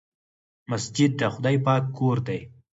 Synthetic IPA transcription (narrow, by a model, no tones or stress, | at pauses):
masd͡ʒɪd̪̚ːəxʊd̪ɑjpɑkːoɾd̪aj